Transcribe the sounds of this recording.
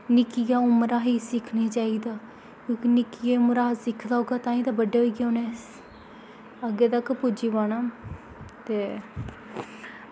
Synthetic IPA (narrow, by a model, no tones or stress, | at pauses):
nɪkijaːʊmɾaːɦiːsɪkʰneːt͡ʃaːiːd̪aː | kjõːkinɪkijeːʊmɾaːsɪkʰd̪aːoɡaːt̪ãːĩːt̪aːbəɖeːɦoiɡaʊːneːs | əɡeːt̪əkpʊd͡ʒiːbaːnaː | t̪eː